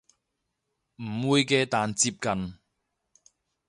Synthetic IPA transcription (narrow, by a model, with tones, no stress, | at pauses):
m̩˨˩wuː˨˧jkɛː˧t̪aː˨nt͡siː˧p̚kɐ˨n